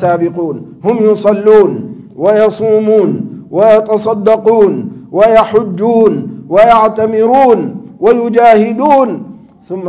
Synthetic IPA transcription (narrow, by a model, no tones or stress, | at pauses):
aːbɪquːnhʊmjʊsˤɑlːuːn | wajɑsˤuːmuːnwajɑt̪ɑsˤɑd̪ːɑquːnwajaħʊd͡ʒːuːnwajaʕt̪amɪɾuːnwajʊd͡ʒaːhɪd̪uːn | θʊmː